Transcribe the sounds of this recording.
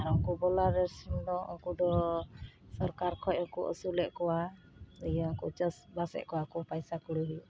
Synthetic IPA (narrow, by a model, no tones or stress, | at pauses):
ɾɔŋkubɔlaɾɛɾsind̪ɔɔ̰ŋkud̪ɔ | sɔɾkaɾkʰɔcɔŋkuʔə̰sulɛʔkɔwa | əjɔŋkut͡ʃəsbasɛ̰ʔkɔwakupajsakuɽuɦuʔ